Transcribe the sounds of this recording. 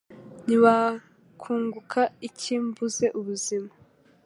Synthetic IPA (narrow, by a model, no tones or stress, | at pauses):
niβa | kʰuːŋɡukʰaicʰiːmbuze̞ʔuβuzima